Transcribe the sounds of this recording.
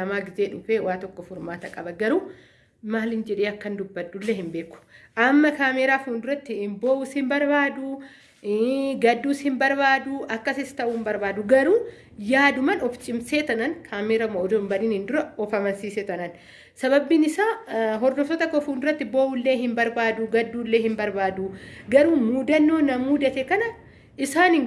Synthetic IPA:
ɐmaːɡɪzeːᶑʊfeːwaːt̪ɔkːɔfʊɾmaːt̪ɐkʼɐbɐɡɐɾuː | maːlhɪnd͡ʒɛᶑeːɐkːɐnd̪ʊbːɐdulːeːhɪmbe̞ːkʊ̥ʔɐmːɐkaːmeːɾaːfuːnd̪ʊɾɐt̪ːɪboːʔushɪmbɐɾbaːd̪ʊ | ɡɐd̪ːuːshɪmbɐɾbaːd̪ʊʔɐkːɐsɪst̪ɐʔuːmbɐɾbaːd̪ʊɡɐɾuː | jaːd̪ʊmɐnɔft͡ʃʼɪmseːt̪ɐnɐnkʰaːmeːɾɐmɐʔɔd̪ɔmbɐniːnhɪnd̪ʊɾɐɔfɐmɐnsiːset̪ɐnɐn | sɐβɐbːiːnɪsaːɦɔɾd̪ɔfɔt̪ɐkɔfuːnd̪ʊɾɐt̪ːɪbo̞ːʔʊlːeːɦɪmbɐɾbaːd̪ʊɡɐd̪ːuːlːe̞ːhɪmbɐɾbaːd̪uɡɐɾuːmuːd̪ɐnːoːnɐmuːd̪ɐt̪ɛkɐnɐ | ʔɪsaːnɪŋ

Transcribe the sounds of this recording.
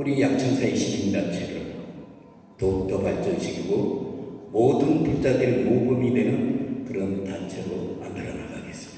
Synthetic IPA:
uɾijak̚t͡ɕ͈ʰʌŋsʰaeɕ͈ʰiɡindant͡ɕʰeɾɯɭ | totʌbaɭt͡ɕ͈ʌɕʰiɡiɡo | modɯnpuk̚t͡ɕ͈adɯɾemoɡɯmidwe̞nɯnkɯɾʌntant͡ɕʰeɾoa̰ndɯɾʌnaɡaɡe̞s͈ɯmd̥ḁ

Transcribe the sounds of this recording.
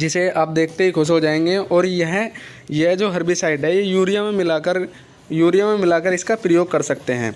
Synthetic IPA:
d͡ʒɪseaːp̚d̪eːkʰt̪eɦikʰoːs̬ɦod͡ʒaːẽːŋɡeʔɔːɾjɐɦ | jeɦd͡ʒoːɦɐɾbisaːɪɖɦɛjejuːɾijamẽmɪlakəɾ | juːɾijamẽmɪlaːkəɾɪskapɾɐjoːɡ̚kɐɾsɐk̚t̪eɦɛ̰̃ː

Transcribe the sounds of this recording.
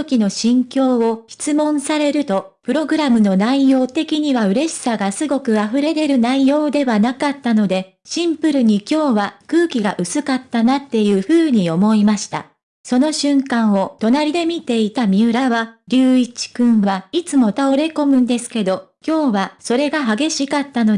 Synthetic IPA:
okʲino̞ɕĩŋkʲo̞ːo̞çi̥t͡sɨmõ̞ɰ̃saɾe̞ɾɯ̟t̪o̞ | pɯ̟ɾo̞ɡɯ̟ɾamɯ̟no̞naijo̞ːt̪e̞kʲiɲ̟iβaɯ̟ɾe̞ɕi̥saɡasɨɡo̞kɯ̟aɸɯ̟ɾe̞ɾe̞ɾɯ̟naijo̞ːd̪e̞βanakat̪ːano̞d̪e̞ | ɕĩmpɯ̟ɾɯ̟ɲ̟ikʲo̞ːβakɯ̟ːkʲiɡaʔɯ̟sɨkat̪ːanat̪ːe̞jɯ̟ːɸɯ̟ːɲ̟io̞mo̞imaɕi̥t̪a̰ | so̞no̞ɕɨ̃ŋkãɰ̃o̞t̪o̞naɾʲid̪e̞mʲit̪e̞it̪amʲiɯ̟ɾaβaɾʲɨːit͡ɕi̥kɯ̟̃ɰ̃βait͡sɨmo̞t̪aoɾe̞ko̞mɯ̟̃nd̪e̞sɨ̥ke̞d̪o̞ | kʲo̞ːβaso̞ɾe̞ɡaɦaɡe̞ɕikat̪ːano̞

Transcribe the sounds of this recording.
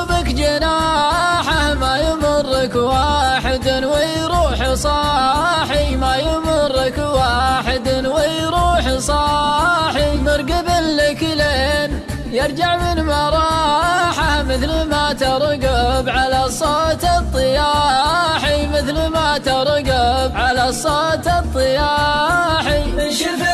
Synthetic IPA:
bakd͡ʒanaːħahmajʊmʊrːɪkwaːħɪd̪nwɪjɾuːħsˤɑħimajʊmʊrˤːɪkwaːħɪd̪nwɪjɾuːħsˤɑħimɑɾˤɡɪbɪllɪkleen | jɪɾˤd͡ʒaʕmɪnmɑɾˤɑːħamɪθlmat̪ɪɾˤɡabʕalasˤɑt̪ɑt̪ˤːɨjaħimɪθlmat̪ɑɾˤɡabʕalasˤɑt̪ɑt̪ˤːɨjaːħi

